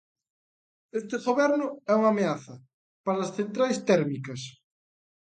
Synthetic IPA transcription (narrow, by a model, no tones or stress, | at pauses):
est̪ɪɣoβɛɾnʊɛuŋameaθɐ | paɾɐːsθent̪ɾajst̪ɛɾmikɐs